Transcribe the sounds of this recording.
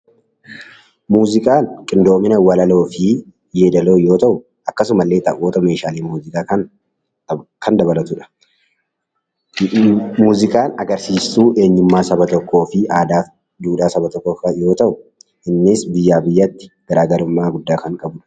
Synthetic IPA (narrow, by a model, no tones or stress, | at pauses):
muːzɪkʼaːnkʼɪnd̪o̞ːmɪnɐwɐlɐlo̞ːfɪ | jeːd̪ɐlo̞ːjo̞ːt̪ɐʔʊ | ɐkːɐs̬ʊmɐlːe̞ːt̪ɐʔoːt̪ɐme̞ːʃaːleːmuːzɪkʼaːkɐ | kɐnd̪ɐbɐlɐt̪ʊᶑɐ̥ | muːzɪkʼaːnɐɡɐɾsiːsːuːʔe̞ːɲːʊmːaːsɐbɐt̪ɔkːo̞ːfɪaːd̪aː | d̪uːᶑaːsɐbɐt̪ɔkːoːfɐjo̞ːt̪ɐʔʊ | ʔɪnːɪsbɪjːaːbɪjːɐt̪ːɪ̥ɡ̥ɐɾaːɡɐɾʊmːaːɡʊd̪ːaːkɐŋkʼɐbʊᶑɐ̥